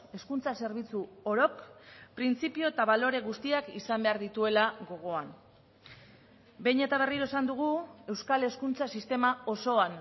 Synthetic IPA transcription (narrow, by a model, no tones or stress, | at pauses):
e̞skunt͡sase̞ɾβ̞it͡suo̞ɾo̞kpɾint͡sipio̞et̪aβalo̞ɾe̞ɣust̪iakisambe̞aɾðit̪ue̞laɣo̞ɣ̞o̞an | be̞jɲe̞t̪aβ̞e̞riɾoesand̪uɣ̞ue̞wskale̞skunt͡sasist̪e̞mao̞so̞an